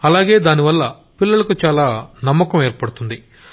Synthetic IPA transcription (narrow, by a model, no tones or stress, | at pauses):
ɐlaːɡe̞ːd̪aːniʋɐlːɐ | pilːɐlɐkut͡ʃaːlaːnɐmːɐkɐmeːɾpɐɽut̪und̪i